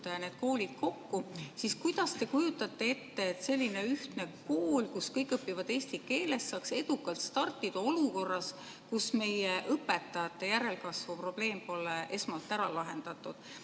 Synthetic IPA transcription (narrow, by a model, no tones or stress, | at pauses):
d̪̥ɑjɑne̞ːd̪̥̚ko̞ːlʲid̪̥ko̞kːusiskujd̪̥ɑst̪e̞kujut̪ːˑɑt̪ːe̞e̞t̪ːe̞ːt̪se̞lʲːine̞yht̪nekoːlkuskɤjkːˑɤpːivɑd̪̥e̞ːst̪ike̞ːle̞st̪sɑːkse̞d̪̥ukːˑɑlt̪st̪ɑrt̪ːˑid̪̥ɑo̞luko̞rːɑs | kusme̞jeʔɤpːe̞t̪ːˑɑjɑt̪ːˑe̞jæɾe̞lkɑsvupro̞b̥le̞ːmpo̞lːeʔe̞smɑlt̪ːˑæɾɑlɑɦe̞nd̪̥ɑt̪ˑːud̪̥